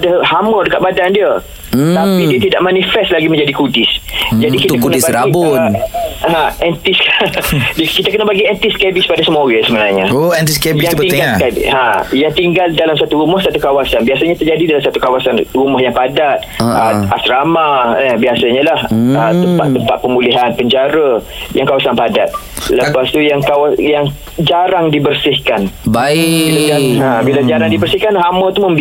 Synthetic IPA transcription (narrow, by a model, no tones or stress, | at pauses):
adahamədəkaʔ̪badandiə | t̪apidiət̪idaʔmanifɛst̪laɡimə̃ɲd͡ʒadikudɪsd͡ʒadikit̪akunisbaɾaibʊ | ãɛnt̪iskdkit̪akənəbaɡiɛnt̪iskebispadasəmoɡasəbənaɲaoɛnt̪iskebijaŋtpət̪iŋɡaanãjaŋt̪iŋɡaldalamsat̪uɾumɔhsat̪ukawasanbiasaɲat̪ərd͡ʒadidalamsat̪ukawasanrumɔhjaŋpadat̪̚ | əa̰sɾamaəbiasaɲalahət̪əmpat̪ːəmpat̪̚pəmuliɦanpəɲd͡ʒaɾə | jaŋkawasanpadat̪̚ | ləpast̪ujaŋkawajaŋ | d͡ʒaɾaŋdibərsɪhkanbaəaãbilad͡ʒaɾaŋdibərsihkanɦamə̃t̪uməmb